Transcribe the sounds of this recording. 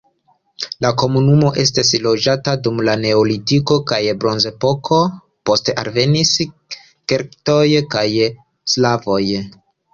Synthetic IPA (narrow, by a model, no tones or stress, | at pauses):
lako̞munumo̞ʔe̞stislo̞d͡ʒatadumlane̞olitiko̞kajbɾo̞nze̞po̞kʰo̞ | po̞steʔa̰ɾve̞nis | keɾktojkaj | slavo̞j